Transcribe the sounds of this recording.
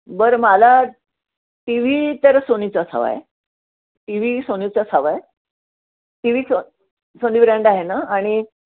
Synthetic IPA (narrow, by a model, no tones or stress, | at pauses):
bəɾmala | ʈiʋ̤it̪əɾsonit͡sasʰa̰ʋa̰e | ʈiʋ̤iːsonit͡sasʰaʋaj | ʈiʋiːso | soniːbɾaɳɖaɦenaːɽ̃i